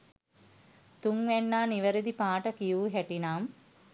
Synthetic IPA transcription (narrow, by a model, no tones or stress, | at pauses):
t̪uŋʋænːaːniʋəɾid̪ipaːʈəkijuːɦæʈinaːm